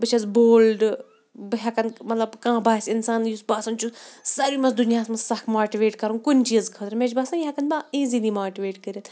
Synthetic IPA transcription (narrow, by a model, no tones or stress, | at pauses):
bɨt͡ʃʰɐzboːlɖ | bɨɦʲɐkɐnmɐt̪lɐbkãːbaːsʲɪnsaːnjusbaːsɐnt͡ʃʰusɐɾimɐsd̪unijaːsmɐsɐkʰmaːʈiʋeːʈkɐɾunkunʲt͡ʃiːɐzkʰɐt̪ɾmet͡ʃbaːsaːjɦɐkɐnbaːiːziliːmaːʈiʋeːʈkəɾʲit̪